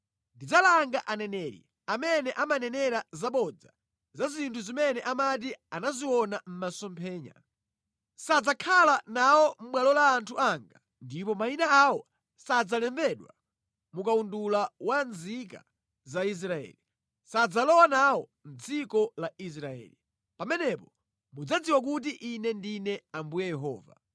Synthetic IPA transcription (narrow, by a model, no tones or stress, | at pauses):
ndid͡zalaŋɡaʔanɛnɛɾḭ | amɛnɛʔamanɛnɛɾazaɓɔd͡za | zazintʰuzimɛnɛʔamat̬ianaziwɔnam̩masɔmpʰɛːɲa̰ | sad͡zakʰalanawɔm̩ɓwalɔlaːntʰuaŋɡa | ndipɔmainaawɔ | sad͡zalɛmbɛɗwa | mukaundulawanzika̰ | zais̬ɾaɛ̰ːli | sad͡zalɔwanawɔn̩d͡zikɔlais̬ɾaɛ̰ːli | pamɛnɛpɔ | mud͡zad͡ziwak̬ut̬iʔinɛndinɛambujɛjɛɦɔ̰ːva̰